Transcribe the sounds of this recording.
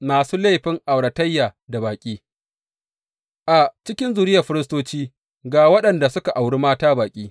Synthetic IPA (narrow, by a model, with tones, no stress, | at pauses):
maː˨suː˦la˦˨ɸɪ˦ŋʔa˨wɽɐ˨tɐ˦jːaː˨da˨baː˨kʲʼiː˦ | ʔa˨t͡ʃɪ˦kʲɪ˦nzu˨ɾɪ˦jɐ˨ɸɪ˦ɾɪ˦s̬toː˦t͡ʃiː˦ | ɡaː˨wɐ˦ɗɐ˨nda˨sʊ˦ka˨ʔa˨wɽi˦maː˦taː˦baː˨kʲʼiː˦